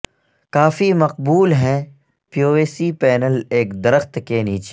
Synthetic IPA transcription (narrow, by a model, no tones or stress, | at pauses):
kaːfimɐq̚buːlɦɛ̃ | pijoːeːsipɛːnəleːkd̪ɐɾəxt̪keniːt͡ʃe